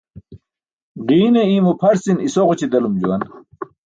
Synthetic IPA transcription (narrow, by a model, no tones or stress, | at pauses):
ʁiːneiːmopʰɐɾsinisoʁut͡ɕid̪ɐlumd͡ʑuwɐn